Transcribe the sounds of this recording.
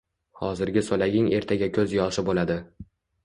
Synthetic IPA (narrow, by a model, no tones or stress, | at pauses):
hɒzɪɾɡʲɪsolaɡʲɪŋe̞ɾt̪ʰaɡʲakʲʰɵzjɒʃɪbolad̪ɪ